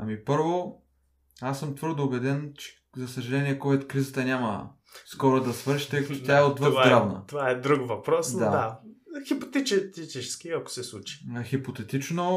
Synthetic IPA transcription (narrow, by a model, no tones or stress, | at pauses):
ɐmipɤɾvo | asːɤmt̪vɤɾd̪oːbɛd̪ɛnt͡ʃɛ̥ | zɐsəʒɐlɛniɛkɔt̪kɾizət̪ənʲamə̰ | skɔɾod̪ɐsvɤɾʃi̥t̪ɛkt̪ot̪ʲaɛod̪vəvvaɡ̪ɾavnə̰t̪ovaɛd̪ɾukvɐpɾɔsd̪ad̪axipo̥t̪ɛt͡ʃɛt̪it̪it͡ʃɛskiɐko̥sɛslˠut͡ʃi̥xipot̪ɛt̪it͡ʃno